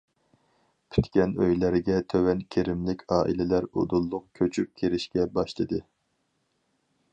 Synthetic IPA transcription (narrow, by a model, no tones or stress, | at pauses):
pʰy̥t̪kʲɛnø̰jlæɾɡʲɛt̪ʰøwɛnkʲʰeɾɪmlɪkʲʰɑːʔilɪlæɾo̰d̪ulˠːʊqkʲʰøt͡ʃʰyp̚kʲʰeɾɪʃkʲɛbɑʃlˠɨd̪ɨ